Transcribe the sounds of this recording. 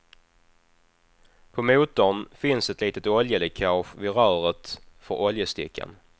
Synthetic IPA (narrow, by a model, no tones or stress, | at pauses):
pʰɔmuːt̪ɔnfɪnsɛt̪liːt̪ət̪ɔljəlɛkʰɑɧvɪɾœːɾət̪fœɾʔɔljəst̪ɪ̰kʰːə̰n